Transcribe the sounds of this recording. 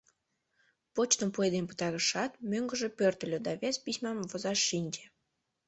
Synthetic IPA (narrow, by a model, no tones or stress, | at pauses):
pot͡ɕt̪əmpued̪emʲpə̥t̪ɑɾəʃɑt̪møŋɡəʒepørt̪əlʲød̪ɑβʲespisʲmɑmvozɑʃːinʲd͡ʒe